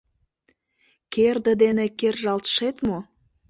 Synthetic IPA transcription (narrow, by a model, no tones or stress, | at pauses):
kerd̪ə̆d̪enekerʒɑlt̪ʃet̪mo